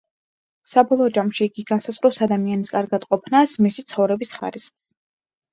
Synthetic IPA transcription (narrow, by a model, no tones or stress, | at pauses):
sabɔlˠɔːd͡ʒamʃiːɡiɡansazʁɾɛwsad̪amianiskʼaɾɡad̪̥qʼɔpʰnasmisit̪sʰχɔvɾɛbisχa̰ɾisχs